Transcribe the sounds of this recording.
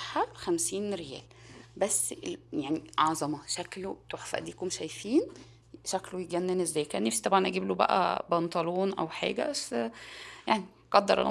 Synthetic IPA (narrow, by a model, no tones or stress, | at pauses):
ħaxæmsiːnɾejæ̰ːl | bæsːejaʕniʔɑʕzˤɑmɑʃæklot̪oħfæ̰ʔd̪iːkomʃæjfiːn | ʃæklojeɡænːenezːæːjkæːnːæfsi̥t̪ɑbʕɑnʔæɡiːblobæ̰ʔæ̰bɑnt̪ˤɑloːnʔæ̰wħa̰ːɡæ̰ʔæs | jaʕni | ɡ̥ɑd̪ːɑɾˤʔɑ̰l̰